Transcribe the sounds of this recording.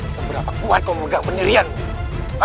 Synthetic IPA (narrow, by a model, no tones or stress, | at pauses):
səbəɾapakuat̪̚koməɡaʔməniɾian